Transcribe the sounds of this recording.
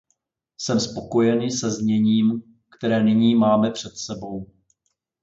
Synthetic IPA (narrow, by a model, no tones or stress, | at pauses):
sɛmspo̞ko̞jɛnɪsɛzɲɛɲiːm | kt̪ɛɾɛːnɪɲiːmaːmɛpr̝̥ɛt̪sɛbo̞w